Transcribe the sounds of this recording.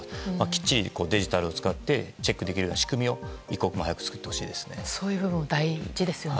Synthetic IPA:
makʲi̥t͡ɕːiko̞ːd̪e̞ʑit̪aɾɯ̟o̞t͡sɨ̥kat̪ːe̞t͡ɕe̞kːɯ̟d̪e̞kʲiɾɯonaɕi̥kɯ̟mʲio̞iko̞kɯmohajakɯ̟t͡sɨ̥kɯ̟̥t̪ːe̞ho̞̥ɕḭːd̪e̞sɨ̥nesoːjɯbɯ̟bɯ̟̃mod̪aiʑid̪e̞sɨjo

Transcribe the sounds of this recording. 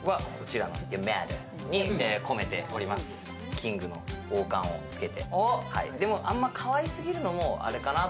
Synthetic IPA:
βakʰo̞t͡ɕiɾano̞̰jɯmaɾo̰ | ɲ̟ieko̞me̞t̪e̞̰o̞ɾʲimasɨ̥ | kʲĩŋɡɯ̟no̞̰oːkãɰ̃o̞̰t͡sɨ̥ke̞t̪e̞̰oha̰ḭd̪e̞mo̞ʔãmːakʰaβaisɨɡʲiɾɯ̟no̞mo̞a̰ɾe̞kana

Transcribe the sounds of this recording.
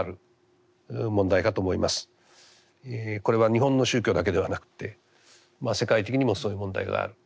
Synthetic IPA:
ɾɯ̟ | mõ̞nd̪aikat̪o̞ːmo̞ḭmasɨ̥ | eko̞ɾe̞βaɲ̟iɦõ̞nːo̞ɕɨːkʲo̞ːd̪ak̬e̞d̪e̞β̞anakɯ̟̥t̪e̞ | mase̞kait̪ekʲiɲ̟imo̞soːjɯmõ̞nd̪a̰iɡa̰a̰ɾɯ̟

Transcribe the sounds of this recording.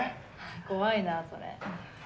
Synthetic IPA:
ko̞βainaso̰ɾḛ

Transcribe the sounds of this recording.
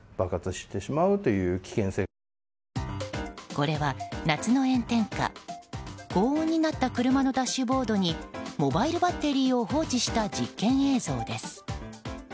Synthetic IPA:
b̥akat͡sɨɕi̥t̪e̞ɕimaɯ̟t̪e̞jɯ̟ːkʲi̥kẽ̞se̞ː | ko̞ɾe̞βanat͡sɨno̞ẽ̞nt̪ẽ̞ŋka̰ | ɡ̥o̞ːõɲ̟ːinat̪ːakɯ̟ɾɯ̟mano̞d̪aɕːɨbo̞ːd̪o̞ɲ̟imo̞baiɾɯ̟bat̪ːe̞ɾʲiːo̞ɦo̞ːt͡ɕiɕi̥t̪ad͡ʑikːẽ̞ɰ̃e̞ːzo̞ːd̪e̞sɨ̥

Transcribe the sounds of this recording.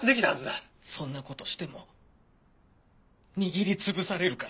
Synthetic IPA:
ɨd̪e̞kʲit̪ahazɨd̪asõ̞nːako̞t̪o̞ɕi̥t̪e̞mo̞ | ɲ̟iɡʲiɾʲit͡sɨbɯ̟saɾe̞ɾɯ̟kaɾ

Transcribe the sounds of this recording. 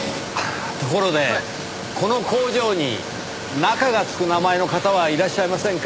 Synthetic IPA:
t̪o̞ko̞ɾo̞d̪e̞ | ko̞no̞ko̞ːʑo̞ːɲ̟ḭ | nakaɡat͡sɨ̥kɯ̟namae̞no̞kat̪aβaiɾaɕːaimasẽŋk

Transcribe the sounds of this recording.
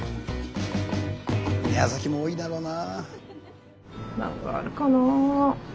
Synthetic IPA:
miazakʲimoːinaɾona | nã̰ŋka̰ːɾɯ̟kana

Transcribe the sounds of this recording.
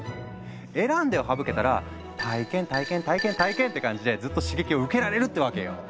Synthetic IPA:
e̞ɾãnd̪e̞o̞ɦabɯ̟ke̞t̪aɾa̰ | t̪ʰaikẽ̞nt̪aikẽnt̪aikẽnt̪aikẽ̞nt̪ːe̞kãɲ̟d͡ʑid̪e̞zɨt̪ːo̞ɕiɡe̞kʲio̞ɯ̟ke̞ɾaɾe̞ɾɯ̟t̪ːeβake̞jo̰

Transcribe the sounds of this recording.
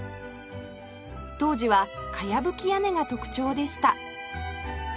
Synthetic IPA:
t̪o̞ːʑiβakʰajabɯ̟kʲijane̞ɡat̪o̞kɯ̟̥t͡ɕo̞ːd̪e̞ɕi̥t̪a

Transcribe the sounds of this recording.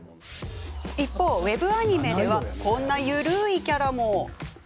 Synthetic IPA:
ipːo̞ːβe̞bɯ̟aɲ̟ime̞d̪e̞βakõ̞nːajɯ̟ɾɯ̟ːikʲaɾamo

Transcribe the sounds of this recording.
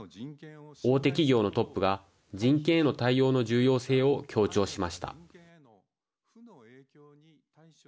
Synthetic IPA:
o̞ːt̪e̞k̬ʲiɡʲo̞ːno̞t̪o̞pːɯ̟ɡa | d͡ʑĩŋkẽ̞ɰno̞t̪aijo̞ːno̞ʑɨːjo̞ːse̞ːo̞kʲʰo̞ːt͡ɕo̞ːɕimaɕi̥t̪a̰

